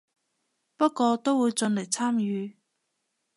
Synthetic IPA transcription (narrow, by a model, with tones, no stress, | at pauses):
pɐ˥t̚kːɔː˧t̪o˥wwuː˨˧jt͡sɵ˧nle˨˩jt͡sʰaː˥mjyː˨˧